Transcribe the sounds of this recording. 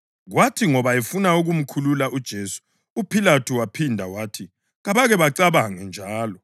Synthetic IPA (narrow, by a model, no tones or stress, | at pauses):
ɣwatʰiŋɔβaefunauɣum̩kʰululaʔud̥ʒ̥ʱeːsu̥ | upʰilatʰuwapʰindʱawaːtʰi | ɣaβaɣɛβaǀaβaŋɛnd͡ʒʱaːlɔ